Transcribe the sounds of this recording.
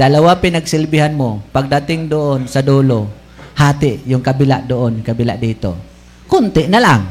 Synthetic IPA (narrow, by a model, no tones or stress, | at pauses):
d̪ɐlawapɪnaɡsɪlbɪhanmopaɡ̚d̪at̪ɪŋd̪oʔonsad̪uːlo | haːt̪ɪʔjʊŋkabɪlaʔd̪oʔonkabɪlaʔd̪iːt̪o̰ | kʊnt̪ɪʔnalaŋ